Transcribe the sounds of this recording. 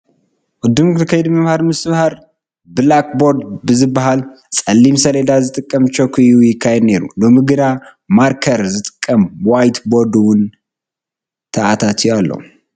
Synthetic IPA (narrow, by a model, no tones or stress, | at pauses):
wʊd̪ːɨmkʰajed̪məmhaɾmɨsɨmhaɾ | bɨlakboɾd̪bɨzɨbaɦal | sʼɐlːimsəled̪azɨt̪ʼɨkʼːəmt͡ʃʰokʰijujɪkʰːajed̪neɾṵlɨmɨɡɨd̪a | maɾkʰəɾzɨt̪ʼɨkʼːəmwajt̪boɾd̪uwʊn | t̪ʰəʔat̪ʰat̪ʰialːə̰hu